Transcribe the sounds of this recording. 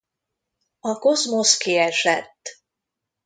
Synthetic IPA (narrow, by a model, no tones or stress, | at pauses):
ɒko̞zmo̞skiɛʃɛt̪ː